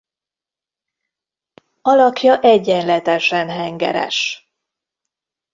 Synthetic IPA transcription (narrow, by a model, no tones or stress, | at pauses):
ɒlɒkjɒʔɛɟːɛnlɛt̪ɛʃɛnɦɛŋɡɛ̰ɾɛ̰ʃ